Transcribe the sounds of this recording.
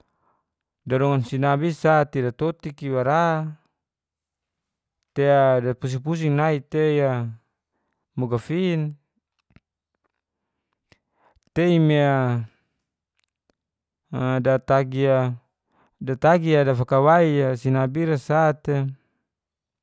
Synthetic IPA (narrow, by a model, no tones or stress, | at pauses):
daɾɔŋansinabisat̪idat̪ot̪ikiwaɾa | t̪eadapus̬ipus̬iŋnait̪eja | moɡafin | t̪eimea | dat̪aɡia | dat̪aɡiadafakawaiasinabiɾasat̪e